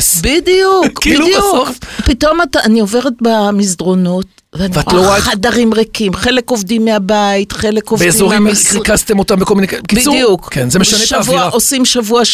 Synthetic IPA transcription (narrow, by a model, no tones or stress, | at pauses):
sbidijukkibildjuofpito̞matanio̞ve̞ʁet̚bamizdʁo̞not | veanivaloʁaχadaʁimʁekimχe̞leko̞vdimːeabaitχelekovbeezoʁimkʁikast̪emo̞tambeko̞lminekibsujukkʰenzemeʃanetʃavuaosimʃavuaʃ